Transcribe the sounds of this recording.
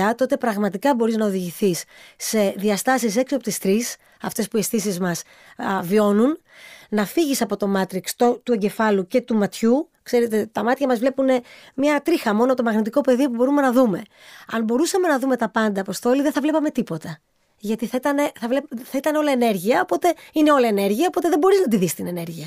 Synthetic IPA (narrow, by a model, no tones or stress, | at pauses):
ɐt̪oo̞t̪e̞pɾɐɣmɐt̪ikɐbo̞ɾiznɐoðiʝiθisːe̞ðiɐst̪ɐsise̞ksiopot̪ist̪ɾis | ɐft̪e̞spuiesθisizmɐs | vio̞nun | nɐfiʝisɐpo̞t̪o̞mɐt̪ɾikst̪ot̪ue̞ɲɟe̞fɐluce̞t̪umɐt̪çu | kse̞ɾet̪et̪ɐmɐt̪çɐmɐzvle̞pune̞mɲɐt̪ɾixɐmo̞nopot̪o̞mɐɣnit̪iko̞pe̞ðiopubo̞ɾume̞nɐðume̞ | ɐnbo̞ɾusɐme̞nɐðume̞t̪ɐpɐnd̪ɐːpo̞st̪o̞liðeθɐvle̞pɐme̞t̪ipo̞t̪ɐ | ʝɐt̪iθɐit̪ɐne̞θɐvlepθɐit̪ɐneo̞lɐene̞ɾʝiɐo̞po̞t̪e̞ine̞o̞lɐene̞ɾʝiɐo̞po̞t̪e̞ðe̞bo̞ɾiznɐt̪iðist̪ine̞ne̞ɾʝiɐ